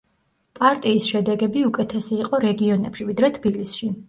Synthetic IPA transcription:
pʼaɾt̪ʼiːsʃɛd̪ɛɡɛbiukʼɛt̪ʰɛsiːqʼɔɾɛɡiɔnɛpʃivid̪ɾɛt̪ʰb̥ilisʃi

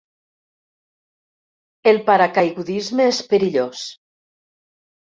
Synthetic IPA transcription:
elˠpaɾakajɣuðizmeespəɾiʎos

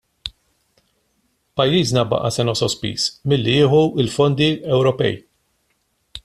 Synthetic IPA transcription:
pɐjːiːznɐbɐ̰ʔɐsɛnɔsɔspḭːsmɪlːiɪːħuɪlfɔnd̪iɛwɾɔpɛ̰j

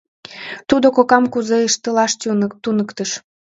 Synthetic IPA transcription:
t̪ud̪okokɑmkuzeəʃt̪əlɑʃt̪t̪unəkt̪əʃ

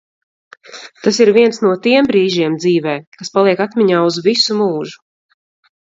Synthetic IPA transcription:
t̪asiɾviɛnsnuɔt̪iɛmbɾiːʒiɛmd̪ziːvɛːkaspalˠiɛkat̪mʲiɲaːuzvisumuːʒu

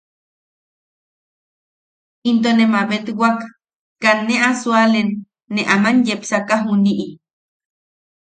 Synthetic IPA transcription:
int̪̬onemaβet̪wakː | anːeasualenː | eʔamanjepsakaɦuniʔi

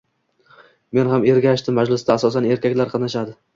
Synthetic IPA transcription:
me̞nhame̞ɾɡʲaʃt̪ɪmad͡ʒlɪst̪aːsɒsane̞ɾkʲakʲlaɾqʰɑnaʃad̪ɪ

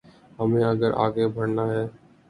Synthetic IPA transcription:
ɦəmẽːɐɡəɾʔa̰ːɡebʱəɾnaːɦɛː

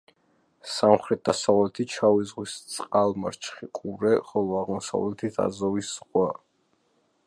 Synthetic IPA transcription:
samχɾɛt̪̚d̪asavlɛt̪ʰit͡ʃʰavizʁwist̪sʼqʼalˠma̰ɾt͡ʃʰχikʼuɾɛχɔlˠɔaʁmɔsa̰vlɛt̪ʰit̪ʰa̰zɔvisːʁwa

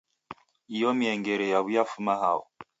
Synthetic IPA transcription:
ijɔmiɛŋɡɛɾɛjaβujafumaɦaṵ

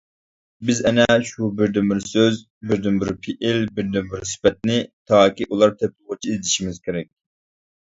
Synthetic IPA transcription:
bɪzɛnɛʃubɪɾd̪ynbɪɾsøz | bɪɾd̪ynbɪɾpʰiʔɪlbɪɾd̪ynbɪɾsy̥pɛt̪̚nɪt̪ʰɑːkʲiʔulˠɑɾt̪ʰɛp̚lˠʁʊt͡ʃʰiizd̪ɪʃimɪzkʲʰeɾɛk̚ʲ

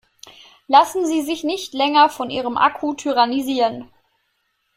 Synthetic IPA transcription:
lasn̩ziːzɪçnɪçtlɛŋɐfɔnʔiːʁəmʔa̰kʰutʰyʁaniziːʁən

